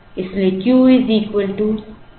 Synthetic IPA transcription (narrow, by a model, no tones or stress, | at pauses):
ɪslekjuːiziːkwəlʈu